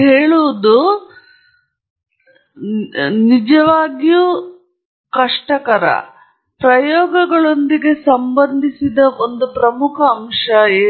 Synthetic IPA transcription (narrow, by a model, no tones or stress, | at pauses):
ɦeːɭuʋud̪u | nid͡ʒɐʋaːɡju | kɐʂʈɐkɐɾɐ̰ | pɾɐjɔːɡɐɡɐɭo̞nd̪iɡe̞sɐmbɐnd̪ʱisid̪ɐond̪upɾɐmukʰɐːmʂɐeː